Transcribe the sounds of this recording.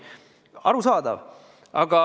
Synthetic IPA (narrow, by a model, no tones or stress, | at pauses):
ɑ̰ɾusɑːd̪ɑ̰ʋ | ɑ̰ɡɑ